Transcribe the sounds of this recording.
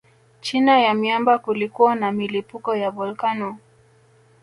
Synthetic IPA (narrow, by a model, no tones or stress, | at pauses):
t͡ʃinajamiambakulikuwanamilipukɔjabɔlkanɔ